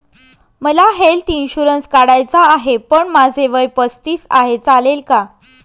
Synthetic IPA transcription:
məlaɦelʈinɕuɾənskaɽajt͡saːɦepəɳmad͡zʱeʋəjpəst̪iːsa̰ɦet͡salelka

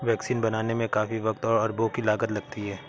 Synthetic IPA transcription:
ʋɛːksiːnbɐnaːnemẽkaːfiʋɐkt̪ɔːɾɐɾbʱokilaːɡət̪lɐɡ̚t̪iɦɛː

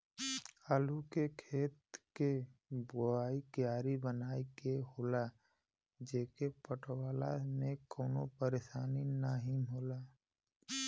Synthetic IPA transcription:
aːlukekʰeːt̪keboaːikjaːɾibənaːikeɦoːla | d͡ʒeːkepəʈwaːla̰mẽkoːnopəɾeʃaːninaːɦimoːlaː

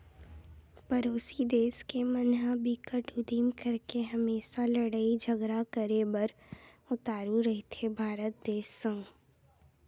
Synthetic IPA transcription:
pɐɾoːsid̪eːskemənɦabikəʈʊd̪imkɐɾkeɦɐmeːʃalɐɽaːid͡ʒʱɐɡɾakəɾebɐɾ | ʊt̪aːɾuɾɐɦit̪ʰebʱaːɾət̪̚d̪eːsːə̃ŋɡ

